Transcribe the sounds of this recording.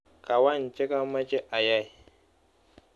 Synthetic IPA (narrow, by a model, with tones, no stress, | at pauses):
kʼa˨wa˦˨n˨t͡ʃʼe˦ka˦mɐ˦t͡ʃʼe˦ʔa˨ja˦˨j